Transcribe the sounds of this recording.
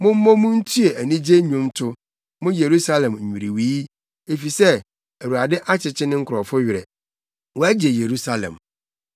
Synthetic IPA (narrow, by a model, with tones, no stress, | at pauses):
mʊ̃˦m̩˦mɔ̃˦mũ˦n̩˦tʰu˦e˨æ˨nĩ˦d͡ʑe˦ɲũ˦mtʰʊ˦ | mʊ̃˦je˨ɾu˦sa˦lɛ̃˨m̩ᶣ˨ĩ˨ɾi˨wi˨˦ | e˨fi˨sɛ˦ | æ˨wu˨a˨dɪ˦ʔa˦t͡ɕʰɪ˨t͡ɕʰɪ˦nɪ̃˦ŋ̩˦kʰʊ˨ɾɔ˨fʊ˦ɥɪ˨ɾɛ̰˨ | wɔ˦æ˦d͡ʑe˨je˨ɾu˦sa˦lɛ̰̃˨m